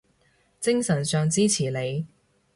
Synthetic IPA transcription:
t͡sɪ˥ŋsɐ˨˩nsœː˨˧ŋt͡siː˥t͡sʰiː˨˩le˨˧j

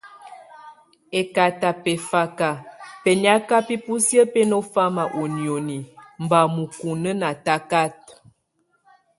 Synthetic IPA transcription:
e˨ka˨ta˨pɛ˨fa˨ka˨pe˨nja˦ka˦pi˦pu˦sjə˦pe˦no˦fa˦ma˨ʔo˨njo˨ni˨m̩˨ba˨mu˨ku˨nə˦na˨ta˦ka˦t̚

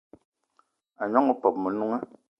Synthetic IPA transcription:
a˨ɲɔ˦ŋə˦pɔ˨p̚mə˨nu˦ŋə˦

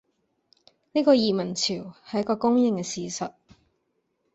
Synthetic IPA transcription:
niː˥kɔː˧jiː˨mɐ˨˩nt͡sʰiː˨˩whɐ˨jɐ˥kɔː˧kʊ˥ŋjɪ˨˧ŋkɛː˧siː˨sɐ˨t̚

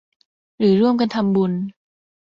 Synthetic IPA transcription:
ɾɯː˩˦ɾu˥˩əmka˧nt̪ʰa˧mbu˧n

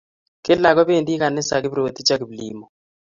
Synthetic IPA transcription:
kɪ˦la˨ɡɔ˦be˦˨ndi˦ka˨nɪ˦sa˨kɪ˦bɾo˨t̪i˦t͡ʃa˦kɪ˨blḭ˦mɔ˨

